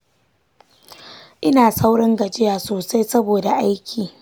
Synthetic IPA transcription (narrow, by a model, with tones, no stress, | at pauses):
ʔɪ˦naː˨sa˦wɽɐ˦ŋɡɐ˨d͡ʒɪ˦jaː˨soː˨sa˦jsɐ˦boː˨da˨ʔa˦jkʲʰiː˨